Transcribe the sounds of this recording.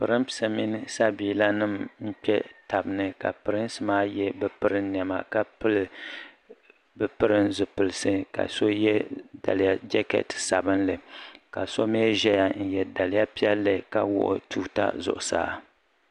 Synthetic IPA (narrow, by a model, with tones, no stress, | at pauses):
pɨ˨ɾɨ˦mpsa˨mi˦nɨ˦sa˦biː˨la˦nɨ˦˨mm̩˦pɛ˦ta˨bɨ˨nɨ˨ka̰˨pɨ˨ɾɨ˦n˦sɨ˦maː˦jɛ˦bɨ˦pɨ˦ɾɨ˦ni˨ɛ˨ma̰˨ka˦pɨ˦l | bɨ˦pɨ˦ɾɨ˦nzɨ˨pɨ˨lɨ˨sɨ˦ka̰˨so˦jɛ˦da̰˨lɨ˨˦ja˦d͡ʒɛ˦kɛ̰˨tsa˨bɨ˦nlɨ˨ka˨so˦meː˦ʒɛ˦ja˨n̩˦jɛ˨da˨lɪ˦ja˦pi˦ɛ˦lːɨ˨ka˦wʊ̰˦ʔʊ̰˦˨tʰuː˦ta̰˦zʊ̰˨ʔʊ˨sa̰ː˦